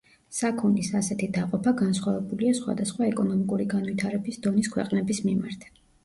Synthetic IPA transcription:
sakʰund̪isasɛt̪ʰid̪aqʼɔpʰaɡansχwavɛbuliasχwa̰d̪asχwaɛkʼɔnɔmikʼuɾiɡanvit̪ʰaɾɛbisd̪ɔniskʰwɛ̰qʼnɛbismimaɾt̪ʰ

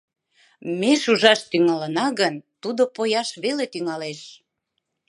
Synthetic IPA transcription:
meʃuʒɑʃt̪yŋɑlənɑɣənt̪ud̪opojɑʃβelet̪yŋɑleʃ

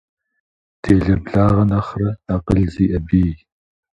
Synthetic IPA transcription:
dʰeːɮɐbɮaːʁɐnɐχrɐɐqəɮziːʔɐbiː

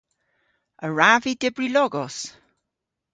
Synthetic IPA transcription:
əɹavidɪbɹilɔɡɔs

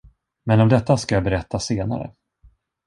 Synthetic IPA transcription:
mɛnɔmd̪ɛt̪ːaskajaːbɛɾɛt̪ːaseːna̰ɾə̰

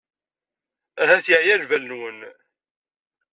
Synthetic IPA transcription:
æɦæθjəʕjælvælnwən

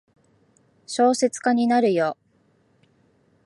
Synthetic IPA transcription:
ɕo̞ːse̞t͡sɨ̥kaɲ̟inaɾɯ̟jo̞

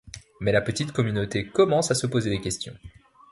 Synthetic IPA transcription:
mɛlapət̪it̪kɔmynot̪ekɔmɑ̃sasəpozed̪ekʲɛst̪jɔ̰̃

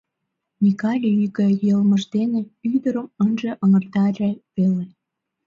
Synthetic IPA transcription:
nʲikɑlʲiyɣejəlməʒd̪eneyd̪əɾəmənʒĕʔəŋərt̪ɑɾeβele

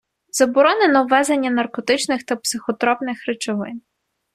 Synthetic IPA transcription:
zɐbɔɾɔnenɔwʋːɛzenʲːɐnɐrkɔt̪ɪt͡ʃnɪxt̪ɐpsɪxɔt̪ɾɔpnɪxɾɪt͡ʃɔʋɪ̰n

